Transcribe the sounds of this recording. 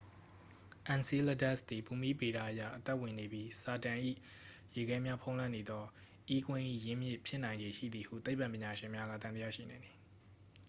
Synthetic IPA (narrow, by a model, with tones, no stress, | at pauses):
ʔã˨nsi˦lə˦dɛ˦˨st̪i˨pu˨mi˦be˨ɾa˦˨ʔəja̰˦˨ʔət̪ɛ˦ʔwɪ̃˨ne˨bji˦sa˨tã˨ʔḭ˦˨ | je˨ɡɛ˦mja˦pʰõ˦ʊ̃lã˦˨ne˨d̪ɔ˦ | ʔi˦kwɪ̃˦ʔḭ˦˨jɪ̃˦mjɪ̰˦ʔpʰjɪ˦nã˨ɪ̃ɲd͡ʑe˨ʃḭ˦˨d̪i˨hṵ˦˨t̪e˦ɪpːã˨mpjɪ̃˨ɲa˨ʃɪ̃˨mja˦ɡa̰˦˨t̪ã˨d̪əja˦˨ʃḭ˦˨nã˨nd̪ði˨